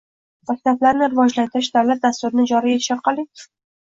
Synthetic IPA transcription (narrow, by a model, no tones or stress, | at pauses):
mak̚ʲt̪ʰablaɾnɪɾɪvɒd͡ʒlant̪ɪɾɪʃd̪awlat̪̚d̪ast̪ʊɾɪnɪd͡ʒɒɾije̞t̪ʰɪ̥ʃɒɾqʰɑlˠɪŋ